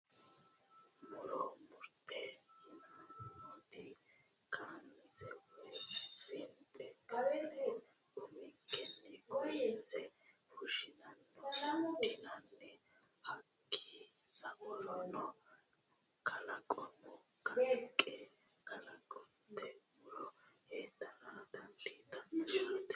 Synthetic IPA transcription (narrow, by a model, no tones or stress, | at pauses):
mɔɾɔmʊɾt̪ʼːɛhɪnɐmt̪ɪ | kʰant͡sɛwɛbɪnt̪ʼɛt̪ɐɾɛ | ʊmɪkːɛnːɛɡɔjɪt͡sɛ | hʊʃɪnɐnːɛd̪ɪnɐnːɛ | hɐkʰːisɐwɔɾɔnɔ | kʰɐlɐkʼɔnːɔ | kɐkʼːɛ | kʰɐlɐkʼɔn | t̪ʰːɛbɔɾɔ | heːd̪ɐɾad̪ɐnd̪iːt̪ːɐnt̪